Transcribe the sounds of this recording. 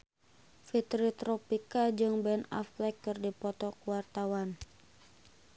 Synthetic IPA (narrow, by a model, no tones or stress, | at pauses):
fit̪ɾit̪ɾɔpikad͡ʒɨŋbɛnɔ̰flɛkːɨrdipɔt̪ɔkuwart̪awan